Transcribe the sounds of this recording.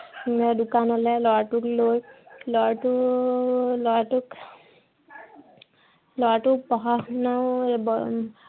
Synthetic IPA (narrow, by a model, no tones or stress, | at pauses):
dukanɔlɛlɔwaʈuklojlɔjaʈu | lɔaʈuk | lɔaʈukpɔɦaɦnawb